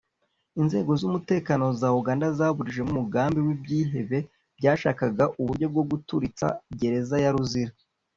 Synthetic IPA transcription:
inze̞ːɡo̞zumute̞ːkano̞zauɡaːndazaːβuɾiʒe̞mumuɡaːmbiwibɟiːɦe̞βe̞ | b̥ɟaːʃaːkaɡaʔuβuɾɟo̞b̚ɡo̞b̚ɡutuɾit͡sa̰ɟe̞ɾe̞zajaɾuziɾa

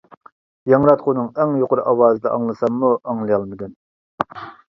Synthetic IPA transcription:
jɑŋɾɑt̪qʰunɨŋɛŋjoqʊɾʔɑwɑːzɨd̪ɛʔɑŋlˠɨsɑmmuʔɑŋlˠɨjɑlˠmɪd̪ʲɛn

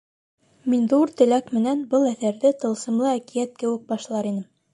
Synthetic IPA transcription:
minðuɾt̪ɘ̆lækmɘ̆nænbɤlˠæθæɾðɘt̪ɤ̆lˠsɤ̆mlˠɤækijæt̪̚kɘ̆wɘ̆k̚bɑʃlˠɑɾinɘm

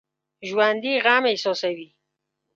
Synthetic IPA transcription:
ʒwand̪iɣamesɔsawi

